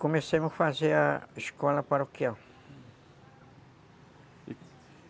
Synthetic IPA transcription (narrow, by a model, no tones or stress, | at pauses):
kõmesẽmʊsfazeɾɐiskɔlɐpaɾokiaw